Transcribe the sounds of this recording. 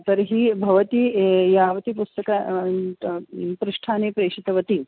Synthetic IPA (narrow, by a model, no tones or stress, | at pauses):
t̪ɐɾɦibʱɐʋɐt̪ijaːʋɐt̪ipust̪ɐkɐ | pɾuʂʈʰaːneːpɾeːʂit̪ɐʋɐt̪i